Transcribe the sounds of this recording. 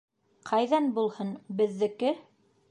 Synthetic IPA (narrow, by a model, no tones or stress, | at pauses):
qʰɑjðɑnbulˠhɤnbɘ̆ðːɘ̆kɘ